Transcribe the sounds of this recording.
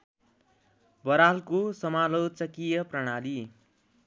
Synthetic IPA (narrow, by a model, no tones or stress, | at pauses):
bʌɾalkosʌmalot͡sʌkijʌprʌɽ̃ali